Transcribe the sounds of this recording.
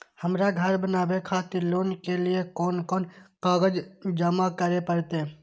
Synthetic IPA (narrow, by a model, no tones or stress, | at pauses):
həmɾaɡʱəɾbənaːbekʰaːt̪iloːnkelɪekɔːnkɔːnkaːɡəd͡ʒd͡ʒəmakəɾepəɾt̪e